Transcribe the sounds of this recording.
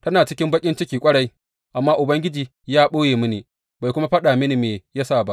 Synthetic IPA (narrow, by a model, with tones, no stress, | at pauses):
tɐ˦naː˨t͡ʃɪ˦kʲɪ˦mbɐ˦kʲʼɪ˦nt͡ʃɪ˦kʲiː˨kʷʼɐ˦ɽɐ˦j | ʔa˨mːaː˦ʔʊ˨bɐ˦ŋɡʲɪ˦d͡ʒiː˨ | jaː˦ɓoː˦jeː˨mʊ˦niː˨ | ba˨jkʷʊ˦ma˦ɸɐ˦ɗaː˨mɪ˦ni˨meː˨ja˦saː˦˨ba˦ʔ